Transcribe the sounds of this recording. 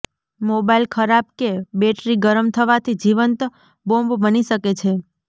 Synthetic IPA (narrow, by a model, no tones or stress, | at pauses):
mobailkʰəɾab̚kebeʈɾiɡəɾəmt̪ʰəʋat̪ʰid͡ʒiʋənt̪ | bõmbbəniʃəket͡ʃʰe